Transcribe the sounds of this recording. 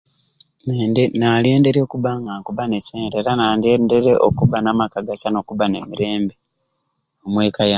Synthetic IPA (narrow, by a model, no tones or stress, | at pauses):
nale̞ːnde̞ɾekuβaŋɡaŋkuβaneseːnde̞ːɾanadende̞ɾeʔo̰kuβanamakaɡasano̞kuβane̞miɾe̞ːmbe̞ | omwe̞ːkaja